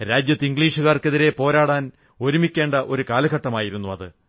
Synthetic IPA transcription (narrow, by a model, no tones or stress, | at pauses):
ɾaːd͡ʑjɐt̪ːiŋɡɭiːʂuɣaːrke̞ðiɾe̞po̞ːɾaːɽaːn | o̞ɾumikʲːe̞ːɳɖɐʔo̞ɾukaːlɐɣɐʈːɐmaːjiɾunːuɐðɨ